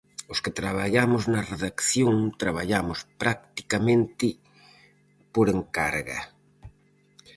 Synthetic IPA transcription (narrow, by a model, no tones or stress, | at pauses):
ʊskɪt̪ɾaβ̞aʎamʊznɐreðakθjoŋt̪ɾaβ̞aʎamʊspɾakt̪i̥kamẽnt̪ɪ | poɾeŋka̰ɾɣɐ̰